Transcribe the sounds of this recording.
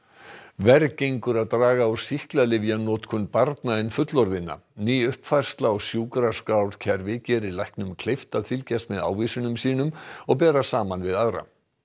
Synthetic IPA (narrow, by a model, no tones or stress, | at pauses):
vɛɾcejŋkʏɾaðt̪ɾaːɣaasihklalɪvjanɔːt̪kʰʏnpaɾt̪naɪnfʏt̪lɔɾðɪnːa̰niːʏhpfajr̥st̪laɔɣsjuːkɾaskawɾcʰɛɾvɪcɛːɾɪlajhknʏmkʰlejft̪aðfɪlcast̪mɛða̰ːwviːsʏnʏmsiːnʏmɔɣpɛːɾasaːmanvɪðaðɾa̰